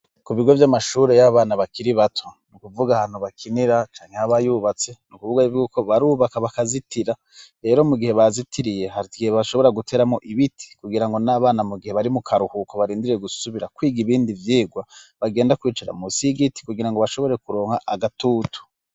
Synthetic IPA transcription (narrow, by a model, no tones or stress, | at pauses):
kuβiɡo̞vjamaʃuːɾe̞jaβaːnaβakiɾiβatʰonukuvuɡahan̥huβakʰiniɾat͡ʃaːŋhehaβajuːβat͡se̞nukuvuɡavɡuːko̞βaɾuːβakaβakazitʰiɾa | ɾe̞ːɾo̞muɡihe̞βazitʰiɾije̞haɾitiɡiheβaʃo̞βo̞ɾaɡutʰe̞ːɾamo̞ʔiβitʰi̥kuɡiɾaŋɡo̞naβaːnamuɡihe̞βaɾimukʰaɾuhukoβaɾiːndiɾejeɡusuβiɾakwiːɡiβiːndivjiːɡwaβaɡe̞ːndakwiːt͡ʃaɾa̰musiɡiti̥kuɡiɾaŋɡo̞βaʃo̞βo̞ɾe̞kuɾo̞ːŋhaʔaɡatuːtʰu̥